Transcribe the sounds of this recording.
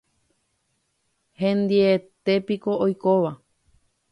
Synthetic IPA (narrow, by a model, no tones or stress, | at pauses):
hẽnd̪iet̪e̞piko̞ojkoʋa